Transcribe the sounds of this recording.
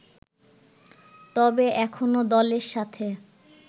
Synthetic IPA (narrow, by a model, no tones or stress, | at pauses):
t̪ɔbeɛkʰonod̪ɔleɾʃat̪ʰe